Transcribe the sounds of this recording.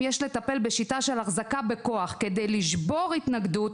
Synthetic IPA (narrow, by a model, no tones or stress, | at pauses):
jeʃle̞t̪ape̞lbe̞ʃitaʃe̞laχzakabe̞ko̞aχke̞d̪e̞jliʃbo̞ʁit̪naɡd̪ut